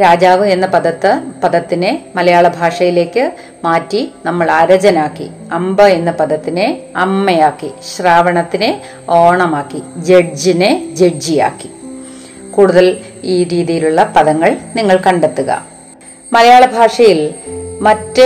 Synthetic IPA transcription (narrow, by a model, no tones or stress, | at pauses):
ɾaːd͡ʑaːʋɨe̞nːɐpɐðɐt̪ːɨpɐðɐt̪ːinemɐlɐjaːɭɐbʱaːʂɐjile̞ːkːɨ | maːtːinɐmːɐɭaːɾɐd͡ʑɐnaːkːḭ | ɐmbɐe̞nːɐpɐðɐt̪ːineɐmːejaːkːiɕraːʋɐɳɐt̪ːine | o̞ːɳɐmaːkːid͡ʑed͡ʑined͡ʑe̞ɖd͡ʑija̰ːkːi̥ | kuːɽuðɐliːɾiːðijiluɭːɐpɐðɐŋːɐɭniŋːɐɭkɐɳɖe̞t̪ːuɣɐ̰ | mɐlɐjaːɭɐbʱaːʂɐjilmɐtːɨ